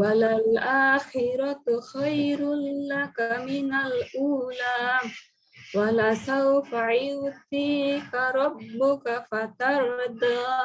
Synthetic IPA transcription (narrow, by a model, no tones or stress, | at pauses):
walalaːxɪɾat̪xajɾʊlakamɪnaluːla | walasawfaʕɪwt̪ikaɾˤɑbːʊkafat̪aɾd̪a